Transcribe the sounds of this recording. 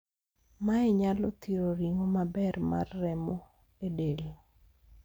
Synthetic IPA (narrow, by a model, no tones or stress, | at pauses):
maɛɲalɔt̪iɾoɾiŋomabɛrma̰rːɛmɔ | edel